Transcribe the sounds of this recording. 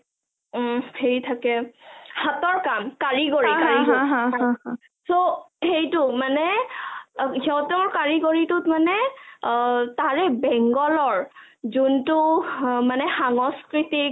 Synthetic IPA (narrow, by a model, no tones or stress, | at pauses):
heɹitʰakɛhatɔɹkamkaɹiɡoɹikaɹiɡoia | soxejtʊmanɛ | zɔwtɛmɔɹkaɹiɡoɹitʊtmanɛ | taɹɛbɛŋɡɔlɔɹ | zuntʊmanɛxaŋɔskɹitik